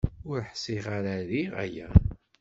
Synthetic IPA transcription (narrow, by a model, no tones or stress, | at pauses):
ʊɾħsiʁaɾaɾiʁæ̰jæ